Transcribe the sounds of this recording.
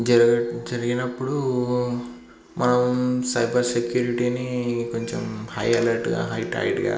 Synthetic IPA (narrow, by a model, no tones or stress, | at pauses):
d͡ʒɐd͡ʒɐɾiɡinɐpːuɽu | mɐnɐmsɐjbʱɐɾsekjuːɾiʈiːnikoɲt͡ʃḛmhɐjɐlɐɾʈɡa̰ːɦɐjʈa̰ːiʈɡa̰ː